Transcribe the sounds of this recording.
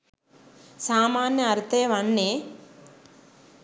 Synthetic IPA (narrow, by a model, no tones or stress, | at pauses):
saːmaːnjɐːɾt̪eːʋɐnːe